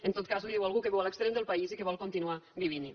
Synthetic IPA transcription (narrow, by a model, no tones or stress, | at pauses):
ent̪ot̪̚kazliðiwalˠɣukeβɛwalekst̪ɾemd̪elˠpaizikeβɔlˠkont̪inuabiβin